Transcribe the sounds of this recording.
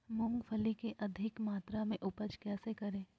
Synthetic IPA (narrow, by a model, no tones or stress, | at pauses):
mʊ̃ŋɡpʰəlikeʔɐd̪ʱɪkmaːt̪ɾamẽʔʊpət͡ʃkɛːsekɐɾẽː